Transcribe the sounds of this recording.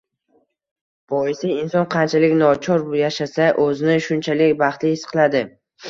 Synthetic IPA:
b̥ɒɪsɪɪnsɒnqʰɑnt͡ʃʰalɪkʲnɒt͡ʃʰɒɾjaʃasaʔɵzɪnɪʃʊnt͡ʃʰalɪkʲbɑχt̪lɪɪsqʰlˠad̪ɪ

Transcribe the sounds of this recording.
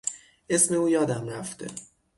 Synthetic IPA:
e̞sme̞uːjɒːd̪æmɾæft̪e̞̰

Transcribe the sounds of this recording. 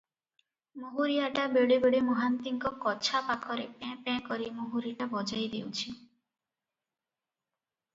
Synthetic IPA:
moɦuɾijaʈabeɽibeɽimoɦant̪iŋkɔkɔt͡ʃʰapakʰɔɾepɛ̃pɛ̃kɔɾimoɦuɾiʈabɔd͡ʒajd̪ewt͡ʃʰi

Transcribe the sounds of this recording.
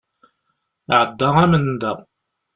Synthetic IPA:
ʕəd̪ːɑʁæmənd̪æ

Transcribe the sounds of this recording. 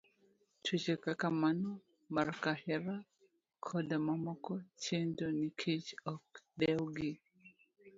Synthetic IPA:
tʰut͡ʃɛkakamanɔ | maɾkahɛɾa | kʰɔdamamɔkɔt͡ʃendɔnikʰit͡ʃɔkdɛwɡi

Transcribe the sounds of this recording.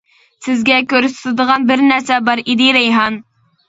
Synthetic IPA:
sɪzɡʲɛkʲøɾyst̪ɨd̪əʁɑnbɪɾnæɾsɛbɑɾid̪ɪɾɛjɦɑn

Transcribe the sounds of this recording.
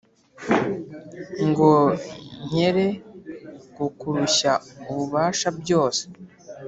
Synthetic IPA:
ŋɡoɲ̥eɾe̞ | ɡukuɾuɕauβuβaːʃabɟo̞ːse̥

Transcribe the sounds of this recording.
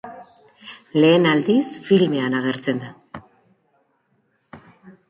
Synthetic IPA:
le̞ːnald̪isfilmeanaɣ̞e̞ɾt͡se̞nd̪a

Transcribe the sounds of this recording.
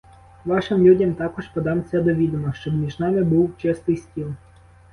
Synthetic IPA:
ʋɑʃɪmlʲudʲɐmt̪ɑkɔʒpɔd̪ɑmsʲɐd̪ɔʋʲid̪ɔmɔʃt͡ʃɔbmʲiʒnɑmɪbuwt͡ʃɪst̪ɪjsʲtʲilˠ

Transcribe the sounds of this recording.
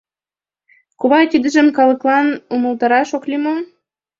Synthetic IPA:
kuβɑt̪ʲid̪ə̆ʒə̆mkɑlɤ̆klɑnumə̆lt̪ɑɾɑʃoklʲimo

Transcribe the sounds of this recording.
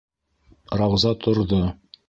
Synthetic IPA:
ɾɑwzɑt̪ʰŏɾðo

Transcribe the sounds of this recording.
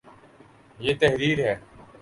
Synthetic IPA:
jeːt̪ɛɦɾiːɾɦɛː

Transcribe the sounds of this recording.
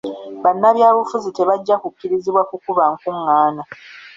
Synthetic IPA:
βanːaβjaːβufuzite̞βaɟːakukːiɾiziβwakukuβaŋkuŋːaːna

